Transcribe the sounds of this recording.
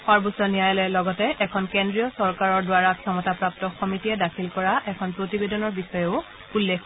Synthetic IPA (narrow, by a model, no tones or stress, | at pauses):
xɔɹbusɔnijajlɛlɔɡɔtɛʔɛkʰɔnkendɹijɔsɔɹkaɹɔɹdwaɹakʰiɔmɔtapɹap̚tɔxɔmitiɛdakʰilkɔɹaʔɛkʰɔnpɹotibedɔnɔɹbixɔjɛʊ | ulːekʰ